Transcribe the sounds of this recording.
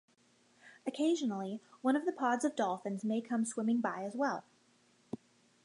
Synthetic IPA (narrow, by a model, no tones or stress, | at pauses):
ɨkʰeɪʒɨnl̩ˠiwʌ̃ñʌvðɨpʰɑdzʌvdɔlˠfɨ̃nzmeɪkʰʌ̃mswɪ̃mɪ̃ŋbaɪɨzwɛlˠ